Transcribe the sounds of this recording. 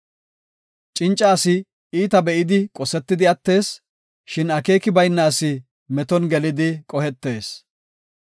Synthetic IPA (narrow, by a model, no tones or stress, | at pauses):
t͡ʃʼɪnt͡ʃʼːaːsɪ | iːt̪ɐbɛʔɪd̪ɪkʼɔsɛt̪ːɪd̪ɪɐt̪ːe̞ːs | ʃɪnɐke̞ːkɪbɐjnːaːsɪ | mɛt̪ɔnɡɛlɪd̪ɪkʼɔhɛt̪ːe̞ːs